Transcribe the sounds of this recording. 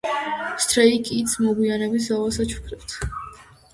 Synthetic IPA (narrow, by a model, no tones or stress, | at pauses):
st̪ʰʼɾɛikʼit̪sʰmɔɡwianɛbis̬zalˠasat͡ʃʰu̥kʰɾɛt̪ʰ